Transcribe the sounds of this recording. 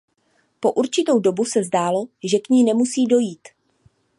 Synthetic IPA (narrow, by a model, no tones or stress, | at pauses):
po̞ʔuɾt͡ʃɪt̪o̞wdo̞busɛzdaːlo̞ʒɛkɲiːnɛmusiːdo̞jiːt̪